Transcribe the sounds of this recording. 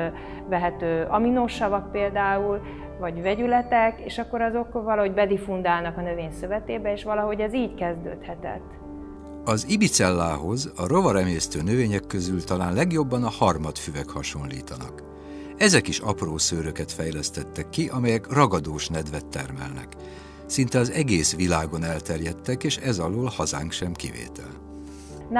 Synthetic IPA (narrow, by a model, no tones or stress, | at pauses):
vɛɦɛt̪øːʔɒminoːʃɒvɒk̚peːld̪aːul | vɒɟvɛɟylɛt̪ɛkeːʃɒkːo̞ɾɒzo̞kvɒlɒɦo̞ɟbɛd̪ifund̪aːlnɒkɒnøveːɲsøvɛt̪eːbɛeːʃʋɒlɒɦo̞ɟɛziːckɛzd̪ø̰ːt̪hɛt̪ɛ̰t̪ː | ɒzibit̪sɛlːaːɦo̞zɒɾo̞vɒɾɛmeːst̪øːnøveːɲɛkːøzylt̪ɒlaːnlɛɡjo̞bːɒnɒhɒrmɒt̪fyvɛkhɒʃo̞nlḭːt̪ɒnɒ̰k | ɛzɛkiʃɒproːsøːɾøkɛt̪fɛjlɛst̪ɛt̪ːɛkːiʔɒmɛjɛkrɒɡɒd̪oːʃnɛd̪vɛt̪ːɛrmɛ̰lnɛ̰k | sint̪ɛɒzɛɡeːsʋilaːɡo̞nɛlt̪ɛrjɛt̪ːɛkeːʃɛzɒloːlhɒza̰ːŋkʃɛmkivḛːt̪ɛ̰l